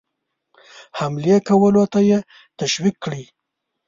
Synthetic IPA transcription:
hamlijekawəlot̪aje | t̪aʃwikːɽi

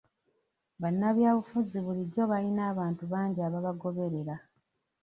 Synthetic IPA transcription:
βanːaβjaːβufuziβuliɾo̞βalinaːβaːntuβaːɲɟiaβaβaɡo̞βe̞ɾe̞ɾa

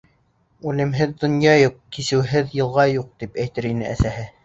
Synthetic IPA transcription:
ʉlɘ̆mɦɘðːŏnjɑjuqkisɘ̆wɦɘðjɤ̆lˠʁɑjuq̚t̪ipæjt̪ɘɾinɘʔæsæhɘ

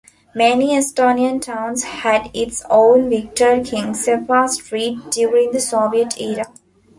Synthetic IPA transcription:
mɛniesʈoːniə̃nʈʰãʊ̃nzhæɖɪʈsõːnʋɪk̚ʈəɾkʰɪ̃ŋsefaːsʈɾiːʈ̚ɖjuːɾɪ̃ŋd̪əsɔːʋiəʈʰiːɾa

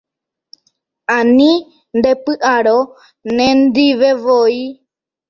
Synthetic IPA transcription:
ãnĩ | nd̪epɨʔaɾo | nẽnd̪iʋeʋoi

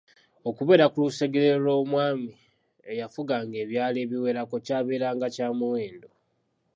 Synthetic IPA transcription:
o̞kuβe̞ːɾakuluseɡeɾelo̞ːmwaːmi | ejafuɡaŋɡe̞ːβjaːleːβiwe̞ɾako̞caːβeːɾaːŋɡacaːmuwe̞ːndo̞

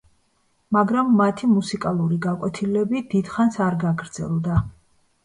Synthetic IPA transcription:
maɡɾamːat̪ʰimusikʼalˠuɾiɡakʼwɛt̪ʰilɛbid̪̥id̪̥χansaɾɡaɡɾd̪zɛ̰lˠd̪a

